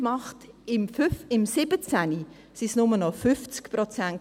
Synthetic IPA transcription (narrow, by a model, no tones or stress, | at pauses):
mɑχtɪmffɪmsɪbət͡sæni | sɪsnʊmənɔfʏft͡skprɔt͡sɛnt